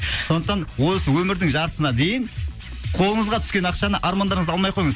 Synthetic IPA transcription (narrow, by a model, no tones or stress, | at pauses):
sonəqt̪ɑnwo̞səwɵmɪɾd̪ɪŋʒɑɾt̪ə̥sənɑd̪e̞jɪn | qʰo̞lˠəɴəzʁɑt̪ʰʏ̥skʲe̞nɑqʃɑnəʔɑɾmɑnd̪ɑɾəɴəzɑlˠmɑjqʰo̞jəɴəz